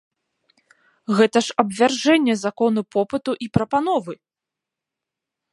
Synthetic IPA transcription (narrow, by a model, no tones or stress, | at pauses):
ɣɛt̪ɐʂɐbvʲarʐɛnʲːɛzakɔnupɔpɨt̪uʔipɾɐpan̪ɔvɨ